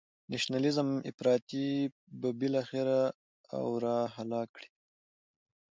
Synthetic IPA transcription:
naʃnalɪzəmɪ̰fɾɑt̪i | babɪlɑxɪɾa | a̰wɾɑhalɑkɽi̥

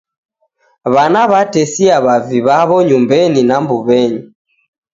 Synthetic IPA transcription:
βanaβatɛsiaβaviβaβɔɲumbɛninambuβɛɲi

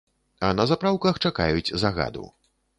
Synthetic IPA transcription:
ɐnɐzapɾawkɐxt͡ʂaka̰jut͡sʲzaɣa̰d̪ṵ

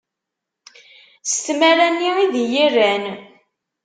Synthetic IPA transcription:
st̪mæɾænːiiðjirːæn

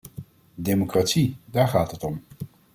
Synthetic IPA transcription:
demokratsidaːɹχaːtɦətɔm

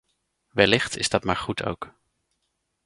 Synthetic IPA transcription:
ʋɛlɪχtɪ̰zdɑtmaːɹχutʰo̰wk

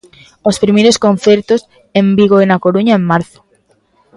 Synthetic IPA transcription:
ospɾimejɾoskõn̟θeɾt̪os | embiɣoenakoɾuɲaemːaɾθo̥

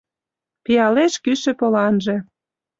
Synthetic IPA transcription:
pijɑleʃkyʃĕpolɑnʒĕ

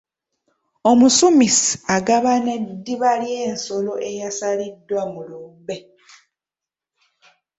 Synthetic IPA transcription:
o̞musumisi̥aɡaβane̞dːiβaljeːnso̞lo̞ʔe̞jasalidːwamulube

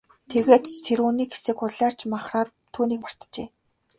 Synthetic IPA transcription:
t̪ʰeɣeːt̪t̪ʰeɾuːniːkxesĕːkʊɮaːr̥t͡ɕʰmaχraːt̪ʰːuːniːkmar̥t̪t͡ɕeː

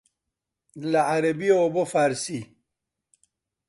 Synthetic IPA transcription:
laaɾɐbiobofaːɾsi

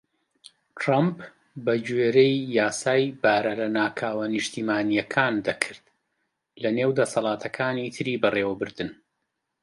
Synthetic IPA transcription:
t̪ʰɾamp | bɐd͡ʒweːɾejːaːsaːjbaːɾɐlɐnaːkʰaːwɐnɨʃt̪iːmaːnijɐkʰaːnd̪ɐkʰɨɾd̪ | lɐneːwd̪ɐsɐlˠaːt̪ʰɐkʰaːnit̪ʰɨɾiːbɐreːwɐbɨɾd̪ɨn

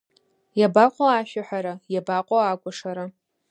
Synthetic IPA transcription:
jabaqʷʼoaʃᶣaħʷᶣaɾajabaqʷʼoakʷʼaʂaɾa

